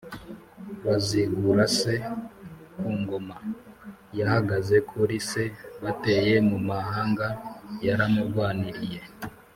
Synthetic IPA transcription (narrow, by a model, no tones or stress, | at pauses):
βaziɡuɾase̞ | kuːŋɡo̞ma | jahaɡaze̞kʰuɾise̞βate̞je̞mumahaːŋɡajaɾamuɾɡwaːniɾije̞